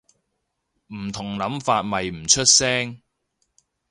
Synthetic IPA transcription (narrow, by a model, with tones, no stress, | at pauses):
m̩˨˩t̪ʰʊ˨˩ŋlɐ˨˥mfaː˧t̚mɐ˨jm̩˨˩t͡ʃʰɵ˥t̚sɛː˥ŋ